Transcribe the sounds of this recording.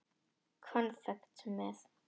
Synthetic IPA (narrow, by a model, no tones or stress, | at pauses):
kʰɔ̃nsɛp̚tʰːumɪs